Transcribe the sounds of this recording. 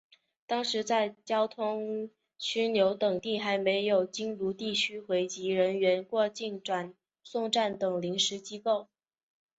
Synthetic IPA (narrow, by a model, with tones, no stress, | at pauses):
t̪ɑ˥ŋʂɻ̩˧˥t͡sa˥˩ɪt͡ɕjɑ˥ʊt̪ʰʊ˥ŋ | t͡ɕʰy˥njo˧˥ʊt̪ɤ˨˩ŋt̪i˥˩xa˧˥ɪme˧˥ɪjo˨˩ʊt͡ɕi˥ŋlu˧˥t̪i˥˩t͡ɕʰy˥xwe˧˥ɪt͡ɕi˧˥ɻə˧˥nɥɛ˧˥nkwɔ˥˧t͡ɕi˥˩nʈ͡ʂwa˨˩n | sʊ˥˧ŋʈ͡ʂa˥˩nt̪ɤ˨˩ŋli˧˥ŋʂɻ̩˧˥t͡ɕi˥ko˥˩ʊ